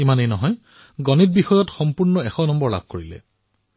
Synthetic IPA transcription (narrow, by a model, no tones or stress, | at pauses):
imanejnɔɦɔj | ɡɔnit̚bixɔjɔtxɔmpuɹnɔɛxɔnɔmbɔɹla̰b̚ʱkoɹilɛ̰